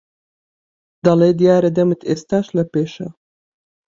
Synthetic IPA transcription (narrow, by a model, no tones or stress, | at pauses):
d̪̥ɐlˠeːd̪ijaːɾed̪ɐmɨt̪ʰeːst̪aːʃlɐpeːʃɐ